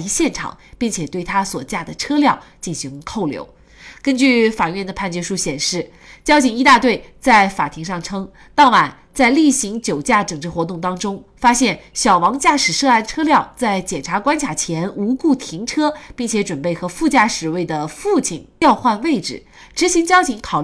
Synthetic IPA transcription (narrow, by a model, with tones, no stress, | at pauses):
i˧˥ɕjɛ˥˩nʈ͡ʂʰɑ̰˨˩˦ŋpi˥˩ŋt͡ɕʰjɛ˨˩t̪we˥˩ɪt̪ʰa˥swɔ˨˩t͡ɕja˥˩d̪ə˩ʈ͡ʂʰɤ˥ljɑ˥˧ʊt͡ɕi˥˩nɕi˧˥ŋk̪ʰo˥˩ʊljo̰˧˥ʊ | kə˥nt͡ɕy˥˩fa˨˩ɥɛ˥˩nd̪ə˩pʰa˥˧nt͡ɕɛ˥˩ʂu˥ɕjɛ˨˩nʂɻ̩˥˩ | t͡ɕjɑ˥ʊt͡ɕʰi˨˩ŋi˧˥t̪a˥˧t̪we˥˩ɪt͡sa˥˩ɪfa˨˩t̪ʰi˧˥ŋʂɑ˥˧˩ŋʈ͡ʂʰɤ˥ŋ | t̪ɑ˥˩ʊma˨˩˦n | t͡sa˥˧ɪli˥˩ɕi˧˥ŋt͡ɕjo˨˩ʊt͡ɕja˥˩ʈ͡ʂɤ˨˩ŋʈ͡ʂɻ̩˥xwɔ˧˥t̪ʊ˥˩ŋt̪ɑ˥ŋʈ͡ʂʊ˥ŋfa˥ɕjɛ˥˩nɕjɑ˨˩ʊwɑ˧˥ŋt͡ɕja˥˩ʂɻ̩˨˩ʂɤ˥˧a˥˩nʈ͡ʂʰɤ˥ljɑ˥˧ʊt͡sa˥˩ɪt͡ɕjɛ˨˩nʈ͡ʂʰa˧˥kwa˥nt͡ɕʰja˨˩t͡ɕʰjɛ˧˥nu˧˥ku˥˩t̪ʰi˧˥ŋʈ͡ʂʰɤ˥pi˥˩ŋt͡ɕʰjɛ˧˥ʈ͡ʂwə˨˩npe˥˩ɪxɤ˧˥fu˥˧t͡ɕja˥˩ʂɻ̩˨˩we˥˩ɪd̪ə˩fu˥˧t͡ɕʰi˨˩njɑ˥˧ʊxwa˥˧nwe˥˩ɪʈ͡ʂɻ̩˨˩ | ʈ͡ʂɻ̩˧˥ɕi˧˥ŋt͡ɕjɑ˥ʊt͡ɕʰi˧˥ŋkʰɑ˨˩ʊ˥